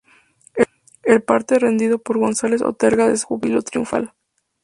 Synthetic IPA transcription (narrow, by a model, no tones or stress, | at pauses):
e | e̞lpaɾt̪e̞re̞nd̪iðo̞po̞ɾɣo̞nsale̞so̰t̪eɾɣaðesxuβilot̪ɾjuɱfa̰l